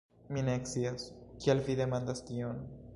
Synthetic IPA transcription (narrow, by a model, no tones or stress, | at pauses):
mineksiaskialfiðemãnd̪askion